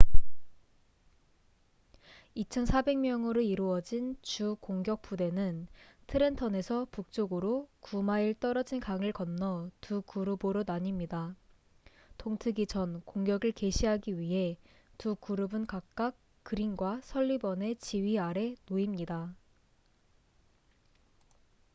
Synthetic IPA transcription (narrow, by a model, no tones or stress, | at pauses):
it͡ɕʰʌnsʰabe̞ŋmjʌŋɯɾoiɾuʌd͡ʑint͡ɕukoŋɡjʌk̚p͈ude̞nɯntʰɯɾe̞ntʰʌne̞sʰʌpuk̚t͡ɕ͈oɡɯɾokumaiɭt͈ʌɾʌd͡ʑinkaŋɯɭkʌnːʌtukuɾɯboɾonaɲimɲida | tʰoŋtʰɯɡit͡ɕʌnkoŋɡjʌɡɯɭke̞ɕʰiɦaɡiɥiɦe̞ | tukuɾɯbɯnkak̚k͈ak̚ | k͈ɯɾiŋɡwasʰʌʎːibʌne̞t͡ɕiɥiaɾe̞noimɲida